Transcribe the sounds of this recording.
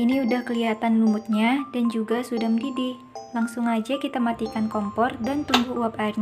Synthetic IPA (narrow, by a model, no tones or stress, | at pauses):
ʔiniudahkəliat̪anlumʊt̪̚ɲadand͡ʒuɡasudahməndidɪh | laŋsʊŋad͡ʒakit̪amat̪ikankɔmpɔrdant̪uŋɡuuap̚airɲa